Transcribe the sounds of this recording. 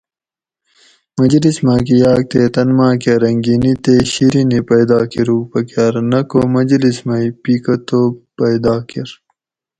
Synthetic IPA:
mɐd͡ʑlismaːk̬ijaːk̚t̪eːt̪ɐnmãːkeɾɐŋɡinit̪eɕiɾinipɐjd̪aːkiɾuːpɐkjaːɾnɐkomɐd͡ʑlismajpiːkɐt̪oːpɐjd̪aːkiɾ

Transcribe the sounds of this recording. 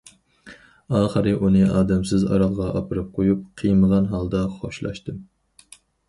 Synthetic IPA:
ɑːχəɾɨʔunɨɑːd̪ɛmsɪzɑ̰ɾɑʁʁɑʔɑpɨɾɨp̚qʰojup̚qʰijməʁɑnɦɑlˠd̪ɑχo̰ʃlˠɑ̰ʃt̪ɨm

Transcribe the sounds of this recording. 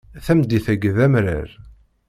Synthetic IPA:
θæmd̪ːiθæɡðæmɾə̰ɾ

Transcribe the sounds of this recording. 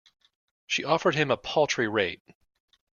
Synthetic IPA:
ʃiʔɔfə˞d̚ɨ̃məpʰʌlˠtɹ̥iɹeɪt̚

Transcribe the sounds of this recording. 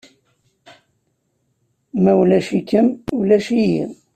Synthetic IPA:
mæwlæʃikːəmwlæʃijḭ

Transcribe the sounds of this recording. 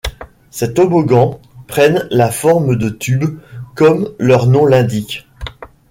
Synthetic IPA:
sɛt̪obɔɡɑ̃ | pχɛnlafɔʁməd̪ət̪ybkɔmlœʁnɔ̃lɛ̃d̪ikʲ

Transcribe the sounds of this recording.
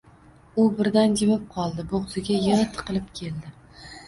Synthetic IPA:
ʊbɪɾd̪and͡ʒɪmɪp̚qʰɒlˠd̪ɪboʁzɪɡʲajɪʁɨt̪ʰɨ̥qɨlˠɪpkʲʰe̞ld̪ɪ

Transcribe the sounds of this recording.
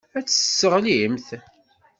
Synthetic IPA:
æt͡sːə̥sːəʁlimθ

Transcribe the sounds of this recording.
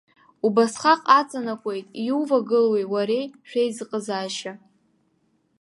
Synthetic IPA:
ubasχaqʼat͡sʼanakʷʼe̞jtʼiuwvaɡɨlwejwaɾejʃᶣejzɨqʼəzaːʃa

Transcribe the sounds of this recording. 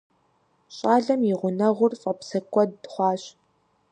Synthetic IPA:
ɕʼaːɮɐmjɪʁʷʊnɐʁʷʊrfʼɐpsɐkʷʼɔdːχʷɑːɕ

